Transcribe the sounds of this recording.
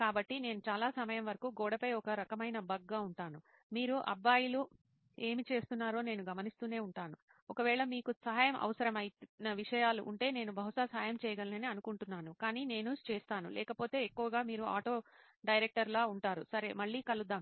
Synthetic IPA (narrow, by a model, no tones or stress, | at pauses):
kaːbɐʈːine̞ːnut͡ʃaːlaːsɐmɐjɐmʋɐɾɐkuːɡɔːɽɐpɐjɔkɐɾɐkɐmɐjnɐbʱɐɡːaːuɳʈaːnu | miːɾuʔɐ̰bːaːjilu | e̞ːmit͡ʃe̞ːst̪unːaːɾo̞ːneːnuɡɐmɐnist̪uːne̞ːuɳʈaːnu | ɔkɐʋɛːɭɐmiːkusɐɦaːjɐmʔɐ̰ʋɐsɐɾɐmɐjinɐʋiʂɐjaːlṵʔṵɳʈe̞ːne̞ːnubʱɐɦuʂaːsaːjɐmt͡ʃɛːjɐɡɐlnɐniɐnukuɳʈunːaːnukaːniːne̞ːnut͡ʃeːst̪aːnṵlʔɛ̰ːkɐpoːt̪e̞ːekːuʋɐɡaːmiːɾua̰ːʈo̞ː | ɖɐjɾek̚ʈɐɾloːuɳʈaːɾusɐɾe̞̰mɐɭːiːkɐlud̪ːaːm